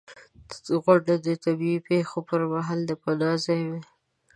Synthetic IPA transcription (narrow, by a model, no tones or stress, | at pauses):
ɣwaɖad̪ət̪abiipexopəɾmaɦɑld̪əpalɑzajwe